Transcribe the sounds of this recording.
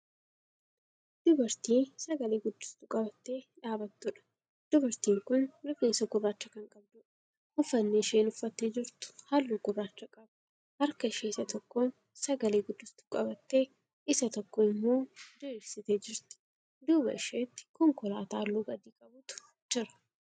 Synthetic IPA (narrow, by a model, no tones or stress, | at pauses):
d̪̥ʊbɐɾt̪iːsɐɡɐleːɡʊd̪ːʊst̪ʊkʼɐbɐt̪ːe̞ːᶑaːbɐt̪ːʊᶑɐ̥ | d̪̥ʊbɐɾt̪iːŋkʊnlʊkeːnsɐɡʊrːaːt͡ʃːɐkɐŋkʼɐb̚d̪ʊᶑɐ̥ | hʊfːɐnːeʃeːnʊfːɐt̪ːeːd͡ʒɪɾt̪ʊ̥hɐlːuːɡʊraːt͡ʃːɐkʼɐb | hɐɾkɐɪʃeːɪsɐt̪ɔkːoːn | sɐɡɐleːɡʊd̪ːʊst̪ʊ̥kʼɐbɐt̪ːe̞ː | ɪsɐt̪ɔkːoːɪmːo̞ːd̪ʊbsɪt̪eːd͡ʒɪɾt̪ɪ̥ | d̪uːbɐ̰ɪʃeːt̪ːɪ̥kɔŋkɔlaːt̪aːlːuːɡɐd̪iːkʼɐbʊt̪ʊ̥ | d͡ʒɪɾɐ̥